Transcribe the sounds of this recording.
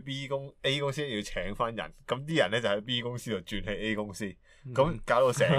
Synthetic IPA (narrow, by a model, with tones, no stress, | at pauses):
piː˥kʊ˥ŋe˥jkʊ˥ŋsiː˥ɛ˥ji˧wt͡sʰɛː˨˥ŋfaː˥njɐ̰˨˩nkɐ˨˧˥mt̪̬iː˥jɐ̰˨˩nɛː˥t͡sɐ˨˩hɐ˨˥jpiː˥kʊ˥ŋsiː˥t͡sɐ˨˩wt͡ʃyː˧nhe˨˧je˥jkʊ˥ŋsiː˥ | kɐ˨˦mkaː˨˥wt̪o˧wsɛː˨